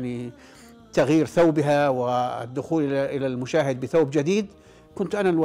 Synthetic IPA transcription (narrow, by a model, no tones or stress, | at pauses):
ni | t̪aɣjiːɾθawbɪɦawɪ̰d̪ːʊxuːlʔʔɪlalmʊʃaːhɪd̪̚bɪθawbd͡ʒɪd̪iːd̪ | kʊnt̪ʔanalwa